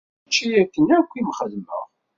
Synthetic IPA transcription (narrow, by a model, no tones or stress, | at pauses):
t͡ʃːijækːənækʷːimχəðmə̰ʁ